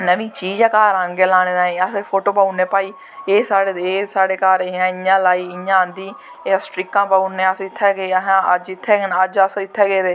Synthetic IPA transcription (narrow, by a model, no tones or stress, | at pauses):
nəʋĩːt͡ʃiːd͡ʒãːkaːɾãːŋɡeːlaːñeːd̪ãːĩːəsepʰoːʈoːbaːuneːpaːiː | eːsaːɽeːeːsaːɽeːkaːɾɪjãːɪɲãːlaːiːɪɲãːnd̪iː | eːsʈɾɪkːãːpaːuneːəsɪt̪ʰːɛːɡeːɦãːəd͡ʒɪt̪ʰːɛːɡnəd͡ʒəsɪt̪ʰːɛːɡeːd̪eː